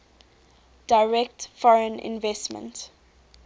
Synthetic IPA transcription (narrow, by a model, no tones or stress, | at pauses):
d̥aɪɹɛk̚tfɔɹə̃nɪ̰̃nvɛstmə̰̃nt